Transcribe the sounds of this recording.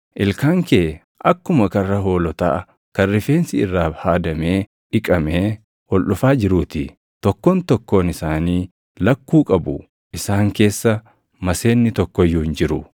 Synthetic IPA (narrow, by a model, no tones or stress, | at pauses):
ʔɪlkaːŋkeː | ʔɐkːʊmɐkɐrːɐɦo̞ːlɔt̪a̰ː | kɐrːɪfeːnsɪɪrːaːfhaːd̪ɐmeː | ᶑɪkʼɐmeː | ʔɔlʔʊfaːd͡ʒɪɾuːt̪ɪ | t̪ɔkːoːnt̪ɔkːo̞ːnɪsaːniː | lɐkːuːkʼɐbʊ | ʔɪsaːŋke̞ːsːɐ | mɐse̞ːnːɪt̪ɔkːɔjːuːɪnd͡ʒɪɾʊ